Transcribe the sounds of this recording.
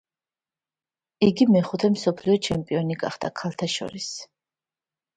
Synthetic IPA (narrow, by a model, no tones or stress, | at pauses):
iɡimɛχut̪ʰɛmsɔpʰliɔt͡ʃʰɛmpʼiɔniɡa̰χd̪̥a̰kʰalˠt̪ʰaʃɔ̰ɾis